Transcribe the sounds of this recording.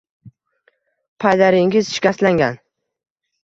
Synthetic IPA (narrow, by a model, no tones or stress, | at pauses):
pʰajd̪aɾɪŋɪzʃɪ̥kʲaslaŋɡʲan